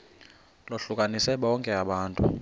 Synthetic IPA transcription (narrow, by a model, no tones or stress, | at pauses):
loɬuk̬ʼanisɛɓɔŋkʼɛaɓaːntʼu